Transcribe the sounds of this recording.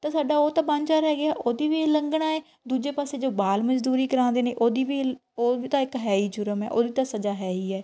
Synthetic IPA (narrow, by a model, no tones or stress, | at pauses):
t̪ãːsaːɖaːoːt̪ãːbãɲt͡ʃaːɾɛːɡɪaːʔoːd̪iːʋiːləŋɡɽaːeː | d̪uːd͡ʒeːpaːseːd͡ʒoːbaːlməd͡ʒd̪uːɾiːkəɾãːnd̪eːnĩːʔoːd̪iːʋiːoːiːt̪ãːɪkɦɛːiːd͡ʒʊɾəmɛ̰ːʔoːd̪iːt̪ãːsəd͡ʒaːɦɛːiːɛː